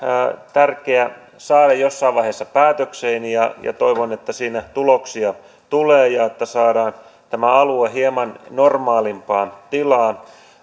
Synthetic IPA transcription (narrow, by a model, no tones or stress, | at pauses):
t̪ærkeæ | sɑːdɑjjosːɑiʋʋɑihesːɑpæːt̪økseinijɑjɑ̰t̪oiʋonet̪ːæsiːnæt̪uloksiɑ | t̪uleːjɑet̪ːæsɑːɾɑːn | t̪æmæɑlueɦiemɑnnormɑːlimpɑːt̪ilɑː